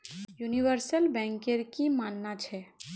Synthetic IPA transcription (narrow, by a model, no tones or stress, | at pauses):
juniʋəɾsəlbɛ̃ŋkeɾkimanːat͡ʃʰɛ